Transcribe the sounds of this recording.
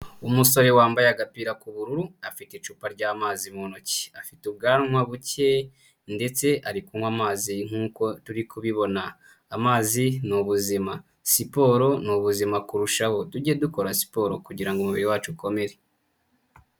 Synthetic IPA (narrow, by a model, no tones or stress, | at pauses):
umuso̞ɾe̞waːmbajaɡapiːɾakuβuɾuɾuafitit͡ʃuːpaɾɟaːmaːzimonoci̥afitub̚ɡaːnmwaβuce | nde̞t͡se̞ʔaɾikuŋwamaːziŋ̥uːko̞tuɾikuβiβo̞naː | maːzinuβuzima | sipo̞ːɾo̞nuβuzimakuɾuʃaho̞tuɟieduko̞ɾasi̥poːɾo̞kuɟiɾaŋɡomuβiɾiwaːt͡ʃuko̞me̞ɾe